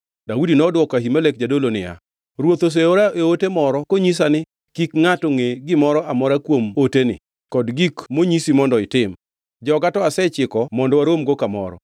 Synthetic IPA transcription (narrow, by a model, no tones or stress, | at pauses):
daudinɔdwɔkahimalekd͡ʒadolonɪ̰ja̰ | ɾwot̪os̬eoɾaʔeotemɔɾɔkoɲis̬anɪ | kikŋatoŋeɡɪmɔɾɔʔamɔɾakwomotenɪ̰ | kɔdɡikmoɲisimɔndɔɪtɪm | d͡ʒɔɡatɔasɛt͡ʃɪkɔmɔndɔwaɾomɡokamɔ̰ɾɔ̰